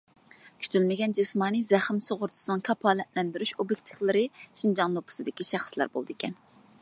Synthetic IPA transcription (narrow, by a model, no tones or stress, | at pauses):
kʲʰy̥t̪ʰylmɪɡʲɛnd͡ʒismɑːnɨzɛχɪmsoʁʊɾt̪ʰɨ̥sɨnɨŋkʰɑpʰɑːlɛt̪lɛnd̪yɾyʃobjek̚ʲt̪ʰiflˠɪɾɪʃind͡ʒɑŋlˠopʰʊ̥sɨd̪ɪkʲiʃæχslæɾbo̰lˠd̪ikʲʰɛn